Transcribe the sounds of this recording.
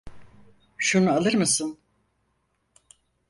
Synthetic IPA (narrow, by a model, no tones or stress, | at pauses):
ʃunualˠɯɾmɯsɯn